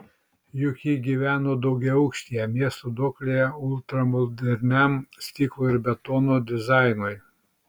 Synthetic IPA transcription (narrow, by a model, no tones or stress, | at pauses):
jʊkʲiːɡʲiːʋʲæːnoːd̪ɔʊɡʲɛɐʊkʃʲt̪ʲijɛmʲiɛst̪od̪oːklʲejɛʊlˠʲt̪ɾɐmɔd̪ʲɛɾʲnʲɛmsʲt̪ʲiːklˠoːɪɾbʲɛt̪oːnoːd̪ʲɪzɑˑɪnʊɪ